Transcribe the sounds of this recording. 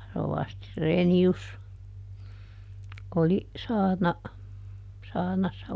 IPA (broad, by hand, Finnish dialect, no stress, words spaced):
roʋɑsti reːnius oli sɑːrnɑ sɑːrnɑsːɑ